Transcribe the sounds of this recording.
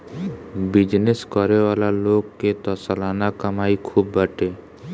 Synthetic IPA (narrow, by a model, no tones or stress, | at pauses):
bɪd͡ʒneskɔɾewaːlaloːɡket̪ɔsəlaːnakəmaːikʰuːbːəʈeː